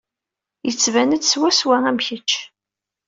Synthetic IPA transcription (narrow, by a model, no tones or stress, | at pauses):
jət͡sːvænəd̪swæswææmçət͡ʃː